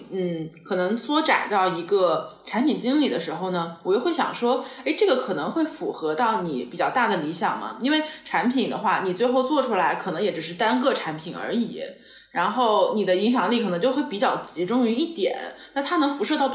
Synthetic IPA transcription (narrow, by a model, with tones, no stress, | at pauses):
n̩˥˩kʰɤ˨˩nɤ˧˥ŋswɔ˧˥ʈ͡ʂa̰˨˩nt̪ɑ˥˩ʊi˧˥ɡə˧ʈ͡ʂʰa˧˥npʰi˨˩nt͡ɕi˥ŋli˥˨˩d̪ə˦ʂɻ̩˧˥xo˧ʊnə˩wɔ˨˩jɛ˥xwɪɕjɑ̰˨˩ŋʂwɔ˥e˥ɪʈ͡ʂɤ˥˩ɡə˩kʰɤ˨˩nɤ˧˥ŋxwe˥˩ɪfu˨˩xɤ˧˥t̪ɑ˥˩ʊnḭ˨˩pi˨˩t͡ɕjɑ˥˧ʊt̪a˥˩d̪ə˩li˧˥ɕjɑ˨˩ŋmɐ̰˩i˥nwe˥˧ɪʈ͡ʂʰa˧˥npʰi˨˩nd̪ə̰˦xwa˥˩ni˨˩t͡swe˥˧ɪxo˥˧ʊt͡swɔ˥˩ʈ͡ʂʰu˥la˧˥ɪkʰɤ˨˩nɤ˧˥ŋjɛ˧˥ʈ͡ʂɻ̩˨˩ʂɻ̩˥˩t̪a˥nkɤ˥˩ʈ͡ʂʰa˧˥npʰi˨˩nə̰˞˧˥ḭ˨˩˦ | ɻa˧˥nxo˥˩ʊni˨˩d̪ə˦i˧˥ŋɕ̬jɑ˨˩ŋli˥˩kʰnɤ˧˥ŋt͡ɕo˥˧ʊxwɪpi˨˩t͡ɕjɑ˥˩ʊt͡ɕi˧˥ʈ͡ʂʊ˥ŋy˧˥i˥˩t̪jɛ̰˨˩˦nna˥˩nt̪ʰa˥nɤ˧˥ŋfu˧˥ʂɤ˥˧t̪ɑ˥˩ʊ